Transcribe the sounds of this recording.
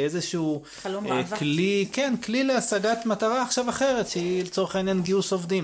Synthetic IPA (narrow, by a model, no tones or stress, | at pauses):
ezeʃuu | klikenklileasaɡat̪mataʁaːχʃavaχe̞ʁetʃeilet͡so̞ʁeχainjanɡiusovdim